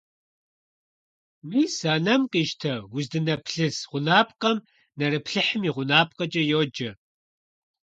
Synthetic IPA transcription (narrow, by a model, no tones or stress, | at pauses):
wiːsaːnɐmqʼiʃtʰɐwʊzdɨnɐpʰɬɨsʁʷʊnaːpʼqʼɐm | nɐɾɨpʰɬɨħɨmiʁʷʊnaːp̚ʼqʼɐd͡ʒʼɐjoːd͡ʒɐ